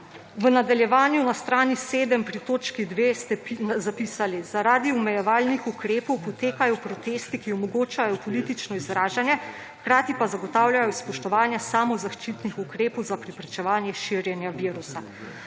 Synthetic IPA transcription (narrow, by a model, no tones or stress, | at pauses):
ʋənad̪aljɛʋaːnjunast̪ɾaːniseːd̪əmpɾit̪oːt͡ʃkid̪ʋeːst̪ɛpzapiːsalizaɾaːd̪iumɛjɛʋaːlnixukɾeːpɔwpɔt̪eːkajɔpɾɔt̪eːst̪ikiɔmɔɡoːt͡ʃajɔpɔlit̪it͡ʃnɔizɾaːʒanjɛ | xkɾaːt̪ipazaɡɔt̪aːwljajɔspɔʃt̪ɔʋaːnjasaːmɔzaʃt͡ʃit̪nixukɾeːpɔwzapɾɛpɾɛt͡ʃɛʋaːnjɛʃiɾjɛnjaʋiːɾusa